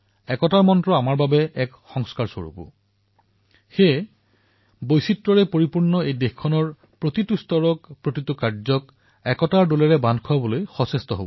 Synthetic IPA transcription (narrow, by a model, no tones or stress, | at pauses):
ɛkɔtaɹmɔntɹɔamaɹbabɛʔɛkxɔŋskaɹso̰ɹṵpṵ | xe | bojsitːɹɔɹɛpoɹipuɹnːɔejdexkʰɔnɔɹ | pɹotitustɔɹɔkpɹotitukaɹzɔk | ɛkɔtaɹdolɛɹɛbandkʰɔwabɔlojxɔsestɔɦo̰bɔ